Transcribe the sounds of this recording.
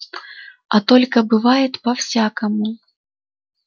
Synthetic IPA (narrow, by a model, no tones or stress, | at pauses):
ɐt̪olʲkɐbɨvajɪt̪pɐfsʲakɐmu